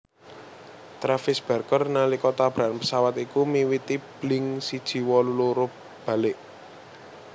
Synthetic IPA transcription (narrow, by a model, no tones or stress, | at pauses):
t̪ɾafɪsb̥a̤rkərnalikɔt̪ab̥ɾaʔnpəsawat̪ikumiwit̪ib̥lɪŋsid̥ʒ̥i̤wɔluluɾʊ | b̥ä̤lɪʔ